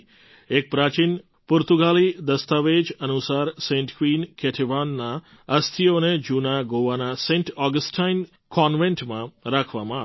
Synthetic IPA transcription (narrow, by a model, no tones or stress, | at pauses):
eːk̚pɾaːt͡ʃin | puɾt̪uɡaːlid̪ɐst̪aʋeːd͡ʒɐnusaːɾsẽɳʈ̪ʰkʋiːnkʰeʈʰiʋaːnːa | ɐst̪ʰijoned͡ʒunaɡoːʋanaseɳʈʰaːɡəsʈʰajn | kɔnʋeɳʈmãɾaːkʰʋama